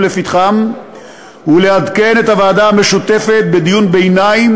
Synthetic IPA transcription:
lefit̪χam | ule̞had̪ke̞ne̞t̪avaːd̪aame̞ʃut̪e̞fe̞t̪̚be̞d̪ijunbe̞jnaim

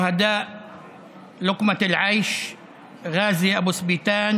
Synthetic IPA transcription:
had̪aːʔ | lʊqmalʕajʃ | ɣaːzɪjʔabusbiːt̪aːn

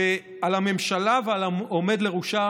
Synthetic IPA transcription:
e | alamemʃalavealaomed̪le̞ʁuʃa

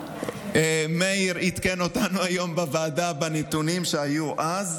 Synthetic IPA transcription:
emeiʁit̪keno̞tanuajo̞mbevaːdabenet̪unimʃeajuʔaz

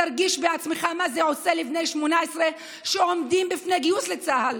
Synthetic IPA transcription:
aɾɡiʃbeat͡smeχamazɛosɛlifnejʃmonaɛsɾe | ʃɛɔmdimbifnejɡiuslet͡sahal

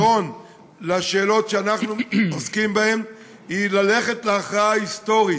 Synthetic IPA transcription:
o̞n | laʃe̞ːlo̞tʃeanaχnuoskimbahe̞m | ilale̞χe̞tleaχʁaist̪o̞ʁi

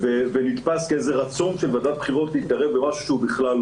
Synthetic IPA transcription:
vevenit̪paskeezeʁat͡so̞nʃelvad̪at̪̚b̥χiʁo̞tlihit̪̚ɡaʁevbemaʃuʃeubiχlal

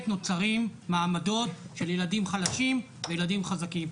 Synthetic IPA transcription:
t̪no̞t͡saʁimːaːmado̞tʃeljeladimχalaʃim | vejeladimχazakim

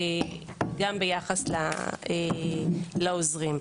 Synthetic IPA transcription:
e | ɡambejaχasla̰e | laozʁim

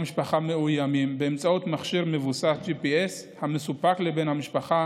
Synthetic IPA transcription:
miʃpaχameujamimbeemt͡saut̪maχʃiʁme̞vusasd͡ʒipieshamesupaklebenhamiʃpaχa

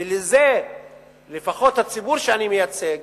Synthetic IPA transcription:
leze | lefaχo̞that͡sibuʁʃeanimejat͡seɡ

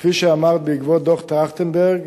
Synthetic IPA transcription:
fiʃəamaʁt̪̚bəiɡvod̪oχt̪ʁaχtənbɛʁɡ

